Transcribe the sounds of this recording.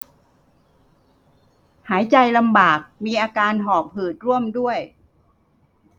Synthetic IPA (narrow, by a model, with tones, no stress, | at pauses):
haː˩˦jt͡ɕa˧jla˧mbaː˨˩k̚miː˧ʔaː˧kaː˧nɦɔː˨˩p̚hɯː˨˩t̪̚ɾu˥˩əmdu˥˩əj